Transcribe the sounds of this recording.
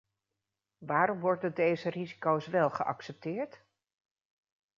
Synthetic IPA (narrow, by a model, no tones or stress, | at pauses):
ʋaːɾɔmʋɔɹdəndejzərizi̥kowsʋɛlˠχə̰ʔɑ̰ksɛp̚tɪːɹt